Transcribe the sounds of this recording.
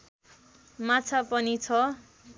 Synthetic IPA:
mat͡sʰapʌnit͡sʰʌ

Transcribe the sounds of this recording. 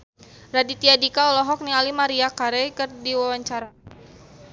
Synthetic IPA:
radit̪iadikaɔlɔɦɔk̚nialimaɾiakaɾɛjkɨrdiwawaɲt͡ʃaɾa

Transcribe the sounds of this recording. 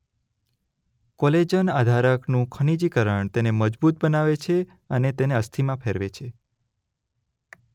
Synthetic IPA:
kɔled͡ʒənad̪ʱaɾəknũkʰəɳ̃id͡ʒikəɾəɳt̪eneməd͡ʒbut̪̚bənaʋet͡ʃʰe | ənet̪eneəst̪ʰimãpʰeɾʋet͡ʃʰe

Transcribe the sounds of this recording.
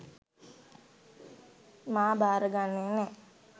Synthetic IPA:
maːbaːɾəɡanːenɛ

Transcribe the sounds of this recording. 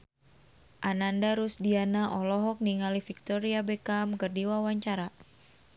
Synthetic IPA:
ʔanandaɾusdianaʔɔlɔɦɔk̚niŋalifik̚t̪ɔɾiabekamkərdiwawaɲt͡ʃaɾa

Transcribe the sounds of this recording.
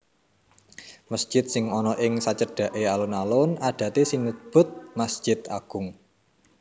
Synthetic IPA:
məsd̥ʒ̥ɪt̪̚sɪŋɔnɔʔɪŋsat͡ʃəɖ̥ä̤ʔealunalʊnaɖ̪̥ä̤t̪esɪŋːub̥ʊ̤t̪̚masʒ̥ɪt̪a̰ɡ̥ʊ̤ŋ

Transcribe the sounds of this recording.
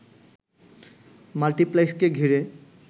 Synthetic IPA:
malʈiplajskeɡʱiɾe

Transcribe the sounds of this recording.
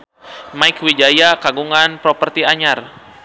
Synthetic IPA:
maikwid͡ʒajakaɡuŋanpɾɔpərt̪iaɲar

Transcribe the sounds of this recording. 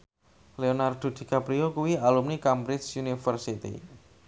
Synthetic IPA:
leonard̪̥o̤d̪̥i̤kapɾiokuwialumnikampɾit͡ʃunifərsit̪ḭ

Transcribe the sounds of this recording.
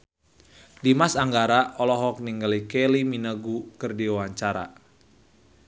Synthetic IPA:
dimasaŋɡaɾaʔɔlɔɦɔk̚niŋɡalikɛliminəɡukɨrdiuwaɲt͡ʃaɾa̰

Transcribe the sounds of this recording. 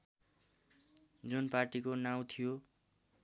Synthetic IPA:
d͡zunparʈikonaw̃t̪ʰijo

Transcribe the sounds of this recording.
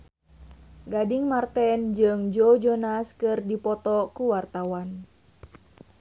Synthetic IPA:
ɡadɪŋmart̪ɛnd͡ʒɨŋd͡ʒod͡ʒonaskɨrdipɔt̪ɔkuwart̪awan

